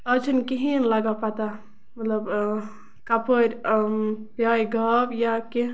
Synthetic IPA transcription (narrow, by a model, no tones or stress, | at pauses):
əd͡ʒunkiɦinlaɡapat̪a | mɐt̪ləb | kapoɾʲ | pjajɡʱəbjake